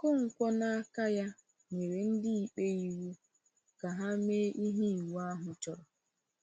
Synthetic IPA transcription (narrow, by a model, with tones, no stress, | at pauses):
kʊ˦ŋ̩˨kʷɔ˦na˦a˦ka˦ja˦ | ɲe˨ɾe˨n̩˦dɪ˦i˨k͡pe˦i˦wu˦ | ka˨ɦa˦me˦ʔi˦ɦi˦i˨wu˨˦a˦ɦʊ˨t͡ʃɔ˦ɾɔ˨